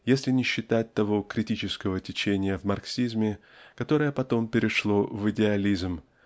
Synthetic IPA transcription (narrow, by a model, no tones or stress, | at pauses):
jesʲlʲɪnʲɪɕːɪt̪at̚ʲt̪ɐvo̞kɾʲɪtʲit͡ɕɪskəvətʲɪt͡ɕenʲɪjəvmɐrksʲizmʲɪkɐt̪o̞ɾəjəpɐt̪o̞mpʲɪɾʲɪʂlˠo̞vɨdʲɪɐlʲizm